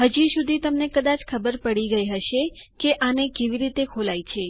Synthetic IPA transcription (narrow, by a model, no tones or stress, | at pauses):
ɦəd͡ʒisud̪ʱit̪əmnekəd̪at͡ʃkʰəbəɾpəɽiɡəjɦəʃekeʔanekeʋiɾit̪ekʰolajt͡ʃʰe